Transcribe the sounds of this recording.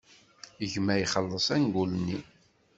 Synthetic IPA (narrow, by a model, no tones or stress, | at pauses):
əʝmæjχəlːəsˤænɡʷulnːi